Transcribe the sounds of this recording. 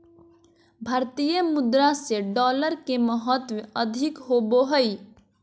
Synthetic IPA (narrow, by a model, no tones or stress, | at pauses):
bʱaːɾt̪ijəmʊd̪ɾaseɖɔːləɾkeməɦɔt̪ʋeəd̪ʱɪkɦoːboɦəi